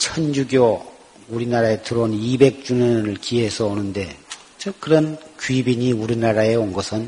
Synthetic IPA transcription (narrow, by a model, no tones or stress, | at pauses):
t͡ɕʰʌnjuɡjo | uɾinaɾaetɯɾounibe̞k̚t͡ɕ͈unɯɯɭkie̞sʰʌonɯnde̞ | t͡ɕʌkɯɾʌnkɥibiɲiuɾinaɾae̞onɡʌsʰɯn